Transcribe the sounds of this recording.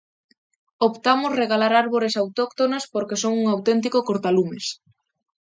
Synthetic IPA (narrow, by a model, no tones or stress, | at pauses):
opt̪amʊsreɣalaɾaɾβoɾesawt̪okt̪onaspoɾkesoŋuŋawt̪ent̪̬ikokoɾt̪alumes